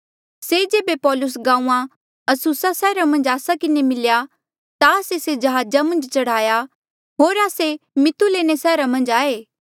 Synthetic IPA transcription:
sed͡ʒeːbepɔːlʊs̬ɡãːũã | ɐsusasɛːɾamɐ̃nd͡ʒaːsakɪnemɪlja | t̪aːsesed͡ʒɐɦaːd͡ʒamɐ̃nd͡ʒt͡ʃɐɽ̤aːja | ɦoːɾaːsemɪt̪uleːñesɛːɾamɐ̃nd͡ʒaːeː

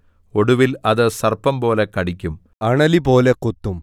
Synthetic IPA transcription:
oɽuʋilɐðɨsɐrpːɐmpo̞ːlekɐɽikʲːum | ɐɳɐlipo̞ːlekut̪ːum

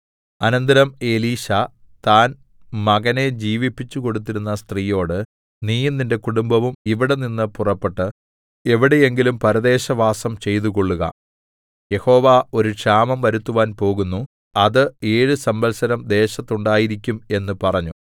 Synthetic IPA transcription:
ɐnɐnd̪ɐɾɐme̞liːɕɐ | t̪aːn | mɐɣɐne̞d͡ʑiːʋipːit͡ɕːuko̞ɽut̪̬ːiɾunːɐst̪riːjo̞ːɽɨ | niːjɐnːinde̞kuɽumbɐʋumiʋiɽe̞ninːɨpurɐpːe̞ʈːɨ | e̞ʋiɽe̞e̞ŋɡilumpɐɾɐðe̞ːɕɐʋaːsɐmt͡ɕe̞jt̪̬uko̞ɭːuɣɐ̰ | je̞ho̞ːʋaːo̞ɾukʂaːmɐmʋɐɾut̪ːuʋaːnpo̞ːɣunːu | ɐðɨeːɻɨsɐmbɐlsɐnɐmd̪e̞ːɕɐt̪ːuɳɖaːjiɾik̬ʲːume̞nːɨpɐrɐɲːu

